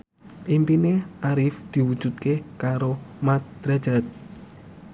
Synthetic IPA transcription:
ʔimpineʔaɾɪfd̪̥i̤wud̥ʒ̥ṳt̪̚kekaɾomat̪̚d̪̥ɾḁʒ̥at̪̚

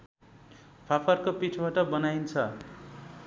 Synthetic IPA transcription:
pʰapʰʌrkopit͡sʰbaʈʌbʌnajnt͡sʰʌ

